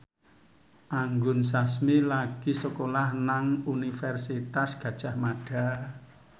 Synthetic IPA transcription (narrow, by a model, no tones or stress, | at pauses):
ʔaŋɡʊnsasmilaɡ̥isəkolahnaŋunifɛrsit̪asɡ̥ä̤d̥ʒ̥a̤hmaɖ̥a̤